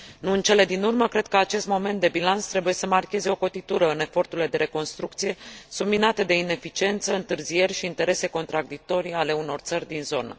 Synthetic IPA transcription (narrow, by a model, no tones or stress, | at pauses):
nuɨnt͡ʃe̞le̞d̪inurməkɾe̞d̪̚kəat͡ʃe̞st̪mo̞me̞nt̪d̪e̞bilant̪st̪ɾe̞buje̞səmarkʲe̞ze̞o̞ko̞t̪it̪uɾəɨne̞fo̞rt̪uɾile̞d̪e̞ɾe̞ko̞nst̪ɾukt̪sije̞subminat̪e̞d̪e̞ine̞fit͡ʃie̞nt̪səɨnt̪ɨrzije̞rʲʃiːnt̪e̞ɾe̞se̞ko̞nt̪ɾaɡd̪ik̚t̪o̞ɾiale̞uno̞rt̪sərʲd̪inzo̞nə̰